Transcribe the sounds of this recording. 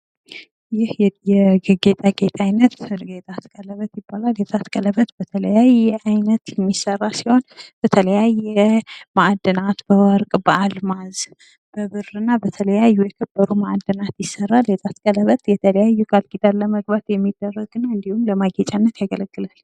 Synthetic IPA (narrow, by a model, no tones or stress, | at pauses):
jɪhjjɛɡɨɡet̪ʼaɡet̪ʼajnət̪ɡet̪ʼat̪kʼələβət̪jɪbːalaljet̪ʼat̪kʼələβət̪bət̪ʰələjajɛajnət̪jɛmːisərːasiho̞nb̥ət̪ʰələjajːɛmaʔd̪ːənat̪bəwɔɾkʼbəʔalmaz | b̥əβɨrɨnːabət̪ʰələjajːujɛkʰəbːəɾumaʔd̪ːɨnat̪jɪsːərːalet̪ʼat̪kʼələβət̪jɛt̪ʰələjajːukʼalɡid̪aːəməɡbat̪jɛmːid̪ːərːəɡɨnːaɨnd̪ihumləmaɡet͡ʃʼanːət̪jaɡələɡːɨlal